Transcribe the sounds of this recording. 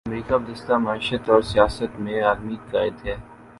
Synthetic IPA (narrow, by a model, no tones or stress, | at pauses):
ɐmɾiːkab̚d̪ɪst̪amɐiːʃət̪ɔːɾsijaːsət̪mẽaːzmiːt̪̚kaːɪd̪ɦɛː